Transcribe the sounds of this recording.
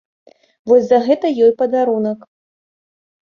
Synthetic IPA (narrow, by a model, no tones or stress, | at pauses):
vɔsʲzɐɣɛt̪ɐjɔjpɐd̪aɾunɐk